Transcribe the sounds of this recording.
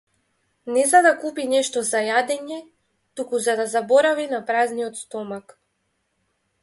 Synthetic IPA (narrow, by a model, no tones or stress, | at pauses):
nɛzad̪akupinɛʃt̪ɔzajad̪ɛɲɛ | t̪ukuzad̪azabɔɾavinapɾazniɔt̪st̪ɔmak